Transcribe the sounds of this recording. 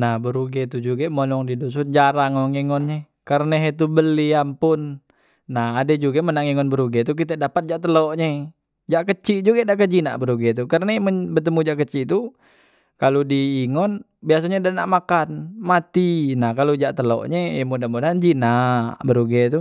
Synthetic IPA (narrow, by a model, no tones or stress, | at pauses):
nahbəɾuɡɛt̪ud͡ʒuɡamonɔŋdidus̬und͡ʒaɾaŋoŋiŋɔnɲɛ | kaɾnaɦit̪̬ubəliampʊnː | ahaded͡ʒuɡamənaŋiŋɔnbəɾuɡɛt̪̬uk̬it̪̬adapat̪̚d͡ʒaʔt̪əloʔɲɛ | d͡ʒaʔkət͡ʃiʔd͡ʒuɡadakəd͡ʒina̰ʔbəɾuɡɛt̪̬ukəɾnamənbət̪̬əmud͡ʒaʔkət͡ʃiʔt̪u | kalodiːŋɔn | bias̬aɲadana̰ʔmakanmat̪inahkalod͡ʒaʔt̪əlɔ̰ʔɲɛimudahmodaand͡ʒinaʔbəɾuɡɛt̪u